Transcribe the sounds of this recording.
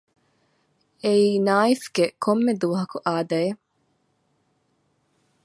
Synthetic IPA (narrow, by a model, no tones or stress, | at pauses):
eiːnaːifɡ̥ekʰomːed̪uːɦɐkuʔaːd̪ɐe